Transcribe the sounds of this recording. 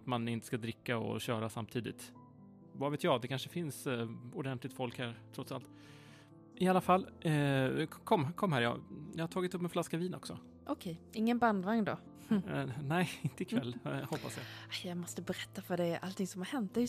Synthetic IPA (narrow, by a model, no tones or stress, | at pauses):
t̪manɪnt̪ə̥skad̪ɾɪkːaɔ̰ɕœːɾasa̰mt̪ʰiːd̪ɪ̰t̪ | vaːveːt̪jɑːɡd̪ɛkʰanʂəfɪnsʊd̪ɛnt̪lɪɡ̚t̪fɔlkhæːɾt̪ʰɾɔt̪sa̰lt̪ | ɪalafalː | kʰɔmːkʰɔmːɦæːɾjɑ̰ːjɑhaʈʰɑːɡɪt̪ɵpːmɛnflaskaviːnɔ̰ksɔ̰ | ʔɔkʰɛjɪŋːənband̪vaŋnd̪ɔ̰ | nɛɪɪnt̪əɪkʰvvɛlːhɔpːasjɑ̰ajjɑmɔst̪əbɛɾɛt̪ːafœɖɛːɾʔa̰lt̪ʰɪŋsɔmhaɾhɛnt̪̚ːɛj